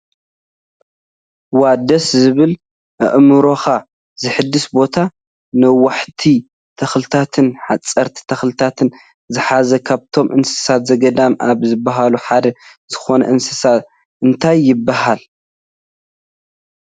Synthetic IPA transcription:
wad̪ɐszɨβɨl | ʔɨ̰ʔmɨɾo̞xa | zɨħɨd̪ːɨsbo̞t̪ʰa | nɨwaħt̪ʰi | t̪ʰɐxlɨt̪ʰat̪ʰɨnħat͡sʼɐɾt̪ʰi̥t̪ʰɐxlɨt̪ʰat̪ʰɨn | zɨħazɐkʰaβt̪ʰo̞mʔɨnsɨ̥sat̪zɐɡɐd̪amʔaβzɨbːaɦaluħad̪ɐz̥ɨxo̞nɐʔɨnsɨ̥sat̪ | ɨnt̪ʰajːɪbːaɦal

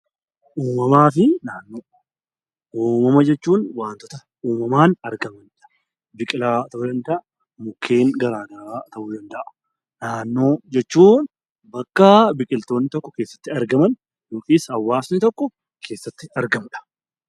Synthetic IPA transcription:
ʔuːmɐmaːfɪnaːnːoː | uːmɐmɐd͡ʒɛt͡ʃːuːnwaːnt̪ɔt̪ɐ | uːmɐmaːnɐɾɡɐmɐnᶑɐ̥ | bɪkʼɪlaːt̪ɐʔʊd̪ɐnd̪ɐʔɐ | mʊkʰːe̞ːŋɡɐɾaːɡɐɾaːt̪ɐʔʊd̪ɐnd̪ɐʔɐ̥ | naːnːo̞ːd͡ʒɛt͡ʃːuːn | bɐkːɐbɪkʼɪlt̪o̞ːnːɪt̪ɔkːɔ̥keːsːɐ̥t̪ːɪɐɾɡɐmɐn | doːkʼiːsɐwːaːsnɪt̪ɔkːɔ | kʰe̞ːsːɐt̪ːɪɐɾɡɐmᶑɐ̥

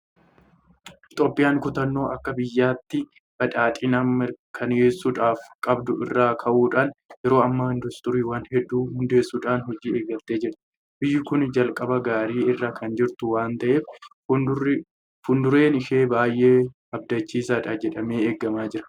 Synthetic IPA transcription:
t̪ʼɔpːɪjaːŋkʊt̪ɐnːo̞ːʔɐkːɐbɪjːaːt̪ːɪ | bɐᶑʼaːt̪ʼɪnamːɪɾkʰɐneːsːʊᶑaːfkʼɐbd̪ʊɪ̰rːaːkʰɐʔuːᶑaːnjɛɾo̞ːɐmːaːɪnd̪ʊst̪ɔɾiːwaːnhɛd̪ːuːhʊnd̪e̞ːsːuːᶑaːnhɔd͡ʒiːeːɡɐt̪ːeːd͡ʒɪɾt̪ɪ̥ | bɪjːʊkʊnd͡ʒɐlkʼɐbɐɡaːɾiːɪrːaːkʰɐnd͡ʒɪɾt̪ʊwaːnt̪ɐʔe̞ːf | fʊnd̪ʊɾe̞ːnɪʃe̞ːbaːjʔe̞ː | ɐb̚d̪ɐt͡ʃːiːsaːᶑɐd͡ʒɛᶑɐme̞ːeːɡːɐmaːd͡ʒɪɾɐ̥

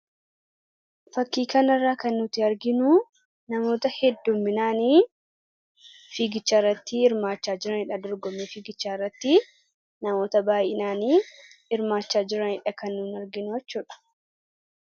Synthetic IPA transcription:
fɐkːiːkɐnɐrːaːkɐnːʊt̪ːɪɐɾɡɪnʊ | nɐmo̞ːt̪ɐhɛd̪ːumːɪnaːniː | fiːɡɪt͡ʃːaːrːɐt̪ːɪɪɾmaːt͡ʃːaːd͡ʒɪɾɐnɪᶑɐd̪ɔɾɡɔmefiːɡɪt͡ʃːaːrːɐt̪ːɪ | nɐmo̞ːt̪ɐbaːjʔɛnaːniːɪɾmaːt͡ʃːaːd͡ʒɪɾɐnɪᶑɐkɐnːʊːnɐɾɡɪnʊɛt͡ʃːuːᶑɐ̥

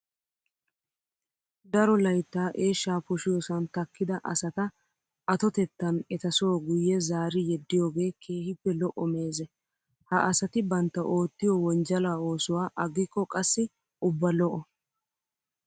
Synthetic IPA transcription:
d̪ɐɾɔlɐjt̪ːaːʔeːʃːaːpʊʃɪjɔsɐnt̪ɐkːɪd̪ɐʔɐ̰sɐt̪ɐ | ɐt̪ɔt̪ɛt̪ːɐnɛt̪ɐsowɡʊjːɛzaːɾɪjɛd̪ːɪjo̞ːɡe̞ːkʰe̞ːhɪpːɛlɔʔɔme̞ːzɛ | hɐʔɐsɐt̪ɪbɐnt̪ːɐʔo̞ːt̪ːɪjɔwɔnd͡ʒɐlaːo̞ːsʊwaːʔɐɡɪkːɔkʼɐsːɪ | ʔʊbːɐlɔʔɔ

